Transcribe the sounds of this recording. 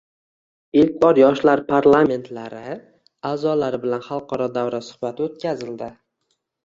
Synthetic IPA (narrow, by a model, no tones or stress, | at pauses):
ɪlk̚ʲbɒɾjɒʃlaɾpʰaɾlˠame̞nt̪ʰlaɾɪ | aːzɒlaɾɪbɪlanχɑlˠqʰɒɾɒd̪awɾasʊ̥hbat̪ʰot̪kʲazɪld̪ɪ